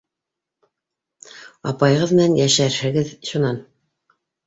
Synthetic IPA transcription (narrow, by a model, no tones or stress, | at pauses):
ɑpɑjʁɤðmɘ̆nænjæʃæɾhɘ̆ɡɘðʃunɑn